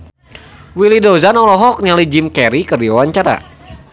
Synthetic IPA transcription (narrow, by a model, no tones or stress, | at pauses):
wilidozanɔlɔɦɔk̚nalid͡ʒimkɛɾikərdiwawaɲt͡ʃaɾa̰